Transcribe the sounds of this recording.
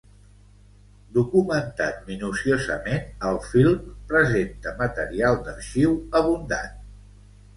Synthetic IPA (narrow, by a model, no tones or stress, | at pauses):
d̪ukumənt̪at̪̚minusiozə̰menəlˠfilˠmpɾəzent̪əmət̪əɾialˠd̪əɾʃiwəβund̪a̰n